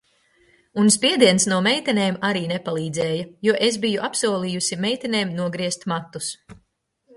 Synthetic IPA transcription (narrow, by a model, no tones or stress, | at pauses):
unspiɛd̪iɛnsnuɔmɛjt̪ɛneːmaɾiːnepalˠiːd̪zɛːjɐjuɔʔesbijuʔapsuɔlˠiːjusimɛjt̪ɛneːmnuɔɡɾiɛst̪mat̪ːus